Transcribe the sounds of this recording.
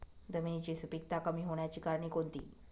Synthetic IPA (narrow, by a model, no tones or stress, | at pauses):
d͡zəminit͡ɕiːsupik̚t̪akəmiːɦoɳ̃jat͡ɕiːkaɾɳ̃iːkont̪ḭː